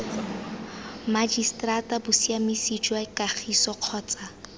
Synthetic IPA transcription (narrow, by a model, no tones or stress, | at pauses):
mad͡ʒistʼratʼabʊsiamisid͡ʒwakʼaχʰisɔq͡χʰɔːt͡sʼa